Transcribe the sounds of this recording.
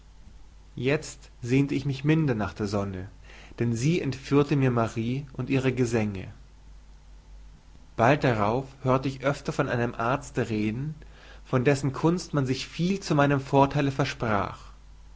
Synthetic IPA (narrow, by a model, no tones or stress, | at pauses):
jɛt͡st | z̥eːntəɪçmɪçmɪndɐnaːχd̥eːɐzɔnə | d̥ɛnziːʔɛntfyːɐtəmiːɐmaʁiːʔʊntʔiːʁəɡəzɛŋə̰ | b̥alt̚d̥aʁaʊfhøːɐtəɪçʔœftɐfɔnʔa̰ɪnəmʔaɐt͡stəʁeːdn̩ | fɔndɛsn̩kʰʊnstmanzɪçfiːlt͡sumaɪnəmfoːɐtʰaɪləfɛɐʃpʁ̥a̰ːχ